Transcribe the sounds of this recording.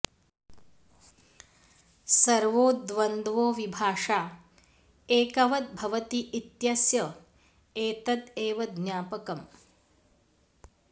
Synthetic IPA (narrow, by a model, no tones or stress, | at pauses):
sɐɾʋoːd̪ʋɐnd̪ʋoːʋibʱaːʂaː | eːkɐʋɐt̪̚bʱɐʋɐt̪iʔit̪jɐsjɐ | eːt̪ɐt̪eːʋɐd̪ɲʲaːpɐkɐm